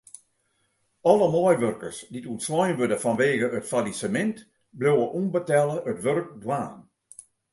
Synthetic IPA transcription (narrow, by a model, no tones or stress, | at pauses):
ɔləmɔjʋørkərsditutslɔjnʋødəfanʋeːɣəətfalisəmɪnt | blowəʔumbətɛlˠəətʋørk̚dwaːn